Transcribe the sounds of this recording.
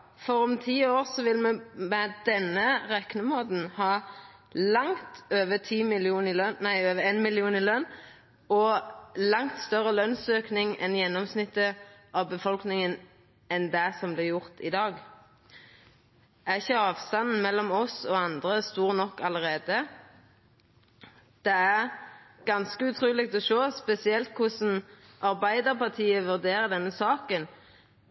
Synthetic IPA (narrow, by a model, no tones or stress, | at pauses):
fɔɾɔmt̪ʰiːoːʁsɔʋɪlməmɛd̪̥ɛnːəʁɛknəmoːd̪n̩hɑː | lɑŋt̪øːʋət̪ʰiːmɪlɪuːnɪlœnnæɪøːʋəeːnmɪlɪuːnɪlœn | ɔlɑŋt̪st̪œʁəlœnsøːknɪŋɛnjɛnːɔmsnɪt̪ːəʔɑʋbəfɔlknɪŋən | ɛnd̪æsɔmblɪɾjʊʁt̪ɪd̪ɑːɡ | æʁɪçəɑːʋst̪ɑnn̩mɛlːɔmɔsɔɑnd̪ʁəst̪uːʁnɔkːɑləʁeːd̪ə | d̪̥ɛæʁɡ̥ɑnskəʉt̪ʰʁʉːlɪɡ̚t̪ɔʃoːspɛsɪɛlt̪̚kʰʊsn̩ | ʔɑʁbæɪd̪əʁpɑʁt̪ʰiːəʋʉʁd̪eːʁəd̪ɛnːəsɑːkən